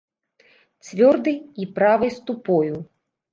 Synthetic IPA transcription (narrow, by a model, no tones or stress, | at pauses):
t͡sʲvʲɔrd̪ɨjipɾavɨjst̪upɔju